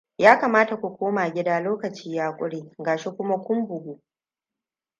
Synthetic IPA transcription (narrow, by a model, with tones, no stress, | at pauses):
jaː˦kaː˨maː˦ta˨kʷu˨kʷoː˦maː˨ɡʲɪ˦daː˦loː˦kɐ˨t͡ʃiː˦jaː˦kʷʼʊ˦ɽiː˦ɡaː˨ʃe˦kʷʊ˦ma˦kʷʊ˦mbʊ˨ɡʷu˨